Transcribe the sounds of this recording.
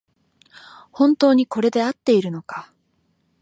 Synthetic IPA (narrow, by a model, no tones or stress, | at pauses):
hõ̞nt̪o̞ːɲ̟iko̞ɾe̞d̪e̞at̪ːe̞iɾɯ̟no̞ka